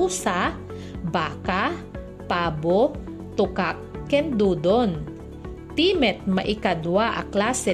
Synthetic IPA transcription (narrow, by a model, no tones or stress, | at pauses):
uːsa | baːka | paːbo | t̪ʊkakːɛnd̪uːd̪on | t̪iːmɛt̪̚mɐʔɪkad̪waʔɐ̰klaːsɛ